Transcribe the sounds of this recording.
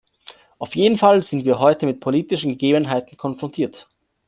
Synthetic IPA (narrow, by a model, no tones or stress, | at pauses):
ʔaʊfjeːdn̩falzɪntv̥iːɐɦɔʏtəmɪt̚pʰoliːtɪʃn̩ɡəɡeːbənɦaɪtn̩kʰɔnfʁ̥ɔntʰiːɐt